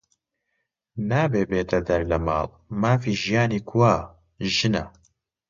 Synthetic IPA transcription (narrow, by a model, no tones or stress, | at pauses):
naːbeːbeːt̪ʰɐd̪ɐɾlɐmɑ̰ːl | maːfiːʒijaːniːkʰuwaː | ʒɨnɐ̰